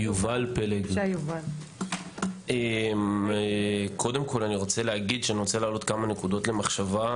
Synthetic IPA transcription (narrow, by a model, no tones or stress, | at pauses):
juvalpeleɡjuval | em | kʰo̞de̞mko̞laniʁo̞t͡seleɦaɡid̪ʃeaniʁot͡selaːlo̞t̪kamane̞kud̪o̞tle̞maχʃava